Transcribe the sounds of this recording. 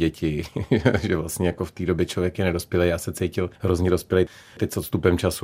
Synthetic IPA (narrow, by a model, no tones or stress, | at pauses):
ɛcɪʒɛoʒɛvlast̪ɲɛjakoft̪iːdo̞bjɛt͡ʃlovjɛkjɛnɛdo̞spjɛlɛjaːsɛt͡sɛjcɪlɦɾozɲɛdo̞spjɛlɛj | t̪ɛc̚sot̪st̪upɛmt͡ʃasu